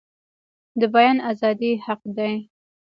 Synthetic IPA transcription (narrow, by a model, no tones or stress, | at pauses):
d̪əbajɑnazɑd̪ihaq̚d̪aj